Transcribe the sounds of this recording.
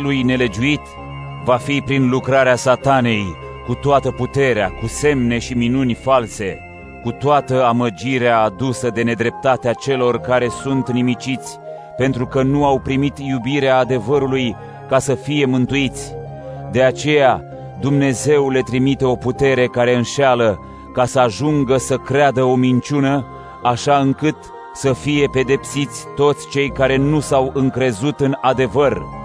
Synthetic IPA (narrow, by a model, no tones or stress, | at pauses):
lujne̞le̞d͡ʒuit̪ | vafipɾinlukɾaɾeasat̪ane̞j | kut̪oat̪əput̪e̞ɾeakuse̞mne̞ʃiminunʲfalse̞ | kut̪oat̪əaməd͡ʒiɾeaːd̪usəd̪e̞ne̞d̪ɾe̞p̚t̪at̪eat͡ʃe̞lo̞rkaɾe̞sunt̪nimit͡ʃit̪sʲ | pe̞nt̪ɾukənuawpɾimit̪jubiɾeaːd̪e̞vəɾuluj | kasəfije̞mɨnt̪uit̪sʲ | d̪e̞at͡ʃe̞ja | d̪umne̞ze̞wle̞t̪ɾimit̪e̞o̞put̪e̞ɾe̞kaɾe̞ɨnʃalə | kasəaʒuŋɡəsəkɾead̪əo̞mint͡ʃunə | aʃaɨŋkɨt̪ | səfije̞pe̞d̪e̞psit̪sʲt̪o̞t̪sʲt͡ʃe̞jkaɾe̞nusawɨŋkɾe̞zut̪ɨnad̪e̞vər